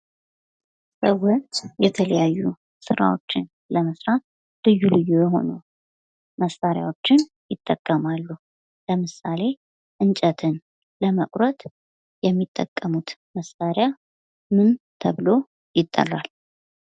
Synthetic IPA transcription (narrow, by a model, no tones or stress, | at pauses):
səwot͡ʃːjɛt̪ʰələjajːu | sɨɾa̰wot͡ʃːɪn | ləməsɾat̪̚ | lɨjːulɨjːojɛɦo̞̰nu | məsːaɾja̰wot͡ʃːɪn | jɪt̪ʼːəkʼːəmalːu | ləmɨsale̞ | ʔɨnt͡ʃʼət̪ʰɨn | ləməkʼɾət̪ | jɛmːit̪ʼːəkʼːəmut̪məsaɾja | mɨnt̪ʰəβlo | jɪt̪ʼːə̰lal